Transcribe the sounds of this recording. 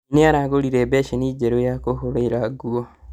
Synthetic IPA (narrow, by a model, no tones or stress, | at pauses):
neaɾaɡoliɾebɛʃenid͡ʒeɾojakohoɾoiɾaɡwɔ